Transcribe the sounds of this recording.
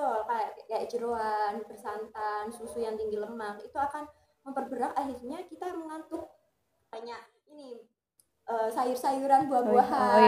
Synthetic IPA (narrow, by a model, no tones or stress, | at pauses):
ɔkaaʔkajaʔd͡ʒəɾoanbərsant̪ansusujaŋt̪iŋɡiləmakit̪uakan | məmpərbəɾakaɦirɲakit̪aməŋant̪ʊk̚ | b̥aɲa | ini | ʔəːsajʊrsajuɾanbuahbuaɦa